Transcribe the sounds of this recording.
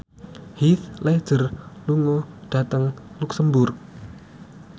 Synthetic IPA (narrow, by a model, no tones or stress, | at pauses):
hiθlɛhd̥ʒ̥ərluŋɔɖ̥a̤t̪əŋluksəmbʊrk̚